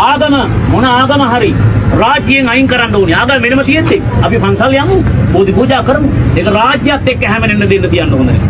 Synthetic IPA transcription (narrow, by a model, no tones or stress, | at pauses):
aːɡ̪ɐmɐmonɐaːɡɐmɐɦaɾiraːd͡ʒijeŋɐjiŋkəɾanɖoːniaːɡamʋenɐmət̪ijet̪ːeŋɐpipaŋsaljamuboːd̪ipuːd͡ʒaːkəɾəmuekɐɾaːd͡ʒjat̪ːekːɛɦɛmenenːɐd̪enːət̪ijanɖound̪e